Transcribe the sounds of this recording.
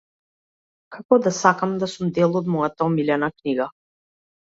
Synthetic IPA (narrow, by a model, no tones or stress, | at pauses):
kakɔd̪asakamd̪asumd̪ɛlˠɔd̪mɔjat̪aɔmilɛnakniɡa